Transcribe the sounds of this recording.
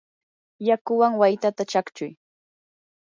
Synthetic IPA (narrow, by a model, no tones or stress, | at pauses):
jakʊwaŋwajt̪at̪at͡ʃakt͡ʃʊj